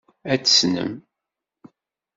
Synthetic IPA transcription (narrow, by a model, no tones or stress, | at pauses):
æt͡sːə̥snə̰m